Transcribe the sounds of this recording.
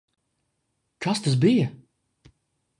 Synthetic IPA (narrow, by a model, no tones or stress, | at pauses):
kʰast̪as̬bijɐ